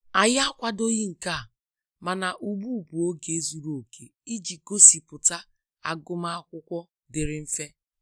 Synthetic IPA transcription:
a˨ja˦kʷa˦do˦ɣi˦ŋ̩˨ka˦˨ | ma˨na˨ʔu˨ɡ͡bu˦˨bu˨o˦ɡe˨e˦zu˨ɾo˨o˨kʰe˨i˦d͡ʒi˨ɡo˦si˨pʊ˨ta˦ | a̰˨ɡʊ˦ma˦a˦kʷʊ˦kʷɔ˦ | dɪ˨ɾɪ˨˦m̩˦fe˦

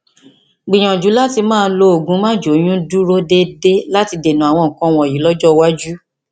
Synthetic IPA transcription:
ɡ͡bĩ˨j̃ɔ̃˨d͡ʒu˨˦la˦ti˧mãː˦˧˦lo˦o˨ɡũ˨˦mãː˦˨d͡ʒo˨˦j̃ũ˦du˦ɾo˦de˦de˦la˦ti˧de˨nũ˨˦a˨w̃ɔ̃˧˨ŋ̩̃˨kɔ̃˧˦w̃ɔ̃˧˨ji˨˦lɔ˦d͡ʒɔ˦wa˦d͡ʒu˦

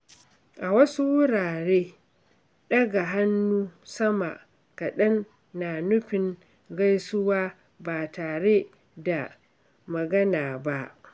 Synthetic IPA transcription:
ʔa˨wɐ˦su˦wʊ˦ɽaː˨ɽeː˦ | ɗɐ˦ɡa˨ɦa˦nːuː˦sɐ˦ma̰˨ʔ | ka˨ɗɐ˦nː | a˨nʊ˦ɸɪ˨ŋ | ɡa˦jsʊ˦waː˦ | baː˨taː˨ɽeː˦ | da˨ | mɐ˨ɡɐ˦naː˨ba˦ʔ

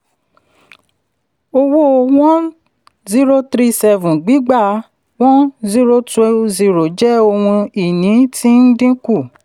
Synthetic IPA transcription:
o˧wo˦˧w̃ɔ̃˦ | zi˦ɾo˦tɾi˦sɛ˧vũ˨ɡ͡bi˨˦ɡ͡ba˦˨ | w̃ɔ̃˦zi˦ɾo˦te˧zi˨ɾo˨d͡ʒɛ˦o˧hũ˧i˨nĩ˨˦ti˦n̩˦dĩ˦ku˦˨

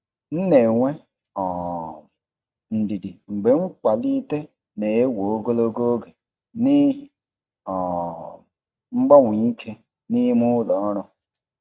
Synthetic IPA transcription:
n̩˦ne˨ŋʷe˦ | ɔ˨ | n̩˨di˨di˨ŋ͡m̩˨ɡ͡be˨ŋ͡m̩˦k͡pa˨li˦te˦ | ne˨e˦wo˨o˦ɡo˦lo˦ɡo˦o˦ɡe˨ | ni˦ | ɔ˨ | ŋ͡m̩˦ɡ͡bɔ˦ŋʷʊ˨ɲi˦kʰe˦ | ni˦mʊ˦lɔ˨˦ɔ˦ɾʊ˦

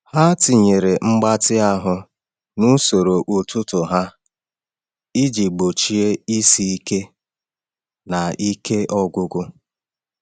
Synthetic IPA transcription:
ha˦ti˨ɲe˨ɾe˨ŋ͡m̩˦ɡ͡ba˦tɪ˦a˦ɦʊ˦ | nʊ˦so˨ɾo˨ʔʊ˨tʊ˦tʊ˨ɦa˦ | i˦d͡ʒi˨ɡ͡bo˨t͡ʃi˦e˦i˦si˦i˦ke˦ | na˨i˦ke˦ʔɔ˦ɡʊ˦ɡʊ˦

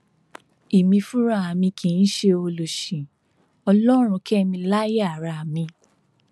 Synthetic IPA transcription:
i˨mĩ˧fũ˦ɾa˦˨a˨mĩ˧kĩ˨n̩˦ʃe˧o˧lo˨ʃĩ˨ | ɔ˧lɔ˦ɾ̃ũ˧kɛ˦mĩ˧la˦ja˨ɾa˧a˨mĩ˧

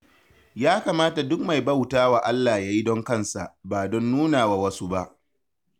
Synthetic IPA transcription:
jaː˦kaː˨maː˦ta˨dʊ˦k̚ma˨jbɐ˦˨wtaː˦wa˨ʔa˦lːaː˨jaː˦ji˦dɔ˦ŋkɐ˦˨nsa̰˨ʔbaː˨dɔ˦nːuː˦naː˨wa˨wɐ˦su˦ba˦ʔ

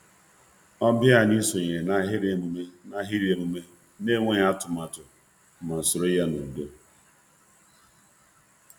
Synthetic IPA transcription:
ɔ˦bja˦˨ni˦so˨ɲe˨na˦ɦɪ˦ɾe˨mu˨me˦na˦ɦɪ˦ɾe˨mu˨me˦ | ne˦ŋʷe˦ɲ˦a˦tʊ˨ma˨tʊ˨ | m̩˨ma˨n̩˨sʊ˨ɾo˦i˦ja˦no˨do˦

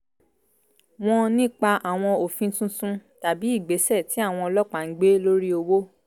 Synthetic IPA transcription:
w̃ɔ̃˧nĩ˦˨k͡pa˧ʔa˨w̃ɔ̃˧o˨fĩ˧˦sũ˦sũ˦ta˨bi˨˦i˦˨ɡ͡be˨˦sɛ˦˨ti˨˦a˦˨w̃ɔ̃˧ɔ˧lɔ˦k͡pa˨ŋ̩˨˦ɡ͡be˦lo˦ɾi˦o˧wo˦

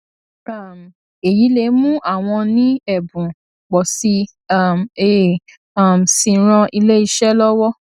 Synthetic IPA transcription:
a˦˨m˨ | e˨ji˨˦le˨˦mũ˦ʔa˦˨w̃ɔ̃˧nĩ˦ɛ˦˨bũ˨ | k͡pɔ˨si˧˦˨ | me˨ | a˦˨m̩˨sĩ˨˦ɾ̃ɔ̃˧ʔi˧le˦i˧ʃɛ˦lɔ˦wɔ˦

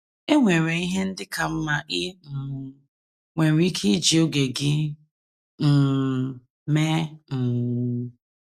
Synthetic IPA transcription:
e˦ŋʷe˨ɾe˨i˦ɦe˦n̩˦dɪ˦ka˨m̩˦ma˦ʔɪ˦m̩˨ | ŋʷe˨ɾi˦kʰi˦d͡ʒi˨o˦ɡe˨ɡɪ˦ | m̩˨ | me˦m̩˨

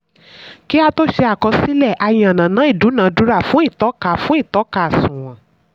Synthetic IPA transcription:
ki˦a˧to˦ʃɛ˧a˨kɔ˧si˦lɛ˦˨ʔa˧j̃ã˨nã˨nã˨˦i˦˨du˨˦nã˨˦du˨˦ɾa˦˨fũ˨˦i˦˨tɔ˨˦ka˧˨fũ˨˦i˦˨tɔ˨˦ka˧˨a˨sũ˨w̃ɔ̃˨

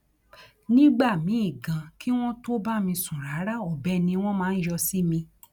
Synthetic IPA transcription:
nĩ˦ɡ͡ba˦˨mĩ˨˦i˦˨ɡã˨˧ki˦w̃ɔ̃˦to˦ba˦mĩ˧sũ˨ɾa˨˦ɾa˦ɔ˨bɛ˦nĩ˧w̃ɔ̃˦mãː˦˧n̩˦jɔ˧si˦mĩ˧

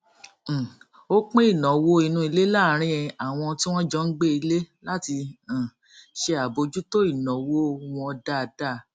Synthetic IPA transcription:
o˦k͡pẽ˦i˦˨nɔ̃˨wo˦i˧nũ˧i˧le˦la˦˨˦ɾ̃ĩ˦ɛ̃˧a˨w̃ɔ̃˧ti˦w̃ɔ̃˦d͡ʒɔ˦n̩˦ɡ͡be˦i˧le˦la˦ti˧ã˨ | ʃe˧a˨bo˧d͡ʒu˦to˦i˦˨nɔ̃˨wo˦w̃ɔ̃˧ɔ˧da˦˧da˦˨

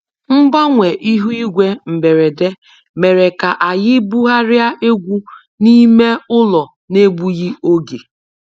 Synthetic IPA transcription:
m̩˦ba˦ŋʷe˨ʔi˦ɦu˦i˦ɡʷe˦m̩˨be˨ɾe˨de˦ | me˨ɾe˨ka˨ʔa˨jɪ˦bu˦ɦa˦ɾɪ˦a˦ʔe˦ɡʷu˦ | ni˦me˦ʊ˦lɔ˨ | ne˦ɡ͡bu˦ɣɪ˦o˦ɡe˨

